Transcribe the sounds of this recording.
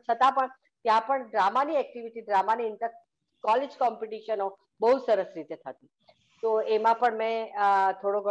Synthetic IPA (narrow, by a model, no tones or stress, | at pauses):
t͡ʃʰət̪ãpəɳ | t̪jãpəɳɖɾamaniɛk̚ʈiʋiʈiɖɾamaniɪnt̪əɾ | kɔled͡ʒkɔmpiʈiʃəno | bəɦusəɾəsɾit̪et̪ʰət̪i | t̪oemãpəɳmɛ̃t̪ʰoɽoɡə